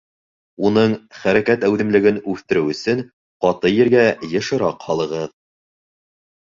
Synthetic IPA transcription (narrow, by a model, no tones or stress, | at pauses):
unɤɴχæɾækæt̪æwðɘ̆mlɘ̆ɡɘnʉθt̪ɘ̆ɾɘwɵ̆sɘŋ | qɑt̪ɤjɘ̆ɾɡæjɤ̆ʃɤ̆ɾɑqhɑlˠɤ̆ʁɤð